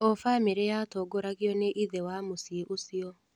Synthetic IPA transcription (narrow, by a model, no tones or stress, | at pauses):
ɔfamiɾejaːtɔːɡoɾaɣjɔneʔiðewamusiʔosiɔ